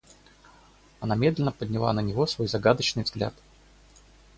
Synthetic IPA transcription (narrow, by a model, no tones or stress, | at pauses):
ɐnamʲe̞d̪lʲɪnəpədʲnʲɪlˠa̰nənʲɪvo̞svo̞jzɐɡad̪ət͡ɕnɨjvzɡlʲa̰t̪